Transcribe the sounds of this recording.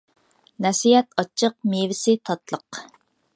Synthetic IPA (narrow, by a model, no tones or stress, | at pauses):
nɛsijɛt̪ɑt͡ʃʰːəq̚mevɪsɪt̪ʰɑt̪lˠəq